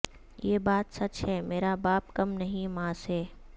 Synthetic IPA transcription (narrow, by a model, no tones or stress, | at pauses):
jeːbaːt̪sɐt͡ʃɦɛːmeːɾabaːp̚kɐmnɐɦĩmãːsɦɛː